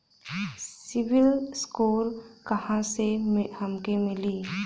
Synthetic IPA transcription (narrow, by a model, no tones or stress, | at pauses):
sɪʋɪlskoːɾkɐhãsehɐmkemɪliː